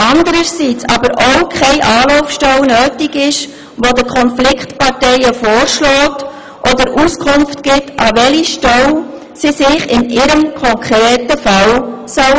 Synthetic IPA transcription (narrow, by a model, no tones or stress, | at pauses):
ʔɑndəɾəɾsiːt͡sɑ̰bəɾowkʰχɛɪʔɑːlɔʊfʃtɛwnøːtɪkɪʃ | ʋodəkʰɔnflɪkχtpɑɾtɛɪəfɔːɾʃlɔːt | ʔɔdəɾʔuskʰʊmftɡ̥ɪtʰʔɑʋɛliʃtɛl | sisɪχɪnɪɾəmkʰɔŋkɾɛːtəfɑlsœl